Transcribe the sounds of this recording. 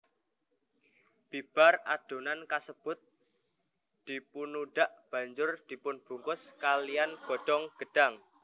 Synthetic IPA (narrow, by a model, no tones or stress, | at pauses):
b̥ib̥a̤raɖ̥o̤nankasəb̥ʊ̤t̪̚ | d̪̥i̤punuɖ̥aʔb̥a̤ɲd͡ʒʊrd̪̥i̤pʊnb̥ṳŋkʊskalijanɡ̥ɔ̤ɖ̥ɔŋɡ̥ə̤ɖ̥aŋ